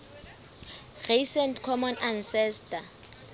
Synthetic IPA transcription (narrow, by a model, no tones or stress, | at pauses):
risɛntkʰɔmɔnʔansɛstʰʼa